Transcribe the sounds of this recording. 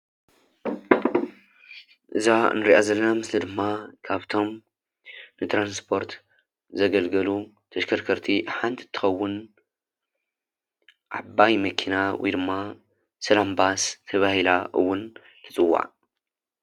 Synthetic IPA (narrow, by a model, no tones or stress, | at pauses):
ʔɨzanɨɾiʔazɐlːɐnamɨslid̪ɨmːakʰaβt̪ʰo̞m | nɨt̪ɾanspʰo̞ɾt̪ | zɐɡɐlɡɐlu | t̪ʰɐʃkʰɐɾkʰɐɾt̪ʰiħant̪ɨt̪ʰːɨ̥xɐwːʊn | ʕa̰bːajmɐkʰinawʔjd̪ɨmːa | sɐlambast̪ʰɐβahilaʔɨ̰wːʊn | t̪ʰɨt͡sʼɨwːa̰ʔ